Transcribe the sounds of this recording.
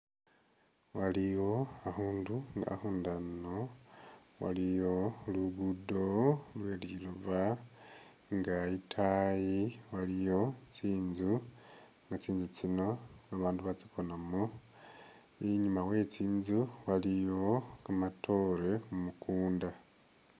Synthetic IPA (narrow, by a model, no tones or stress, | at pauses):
walijo̞ahuːnduŋɡa̰huːndano | wa̰lijo̞luɡudo̞lwe̞ːliluβa | ŋɡaitʰajiwalijo̞t͡siːnzu | ŋɡat͡siːnzut͡sino̞aβaːnduβat͡siko̞namu | iɲumawe̞t͡siːnzuwalijo̞kamatʰo̞ɾe̞umukuːnda